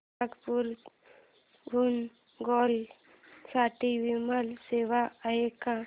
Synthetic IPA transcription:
aɡpuɾ | ɡʱun | ɡɔːl | saːʈiʋiməlseːʋaəeka

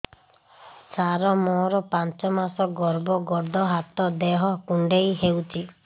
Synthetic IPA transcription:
saɾɔmɔɾɔpant͡ʃɔmasɔɡɔɾbɔɡɔɾd̪ʱɔɦat̪ɔd̪eɦɔkuɳɖejɦewt͡ʃʰi

